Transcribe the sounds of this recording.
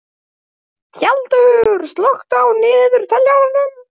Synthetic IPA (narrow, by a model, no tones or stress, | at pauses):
θjalt̪ʏʏɾ̥st̪lɔxt̪awnɪːðʏɾ̥t̪ʰɛljavaɾnɪn